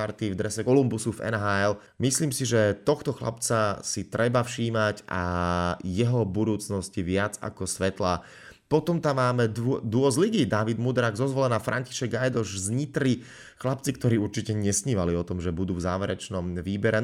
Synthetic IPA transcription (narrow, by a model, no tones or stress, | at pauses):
aɾt̪ivd̪ɾɛsɛɔlumbusuvɛ̰nɦaːɛl | misliːmsiʒɛt̪ɔxt̪ɔxla̰pt͡sasit̪ɾɛbafʃiːmaɟʔa̰jɛɦɔbud̪uːt͡snɔsciʋɪad͡za̰kɔsʋɛt̪laː | pɔt̪ɔmt̪amːaːmɛd̪ʊɔzliɡiːd̪aʋid̪mud̪ɾaːɡzɔzʋɔlɛnaːfɾʔa̰ɲci̥ʃɛɡajd̪ɔʃzɲit̪ɾi | xlap̚t͡sikt̪ɔɾiːuɾt͡ʃicɛɲɛsɲiːʋaliɔt̪ɔmʒɛbud̪uːvzaːʋɛɾɛt͡ʃnɔmʋiːbɛɾɛ